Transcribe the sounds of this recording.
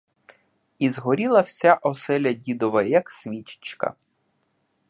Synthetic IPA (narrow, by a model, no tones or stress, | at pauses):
izɦɔɾʲilˠɐw̥sʲaʔɔsɛlʲɐdʲid̪ɔʋɐjɐksʲʋʲit͡ʃɪ̥t͡ʃkɐ̰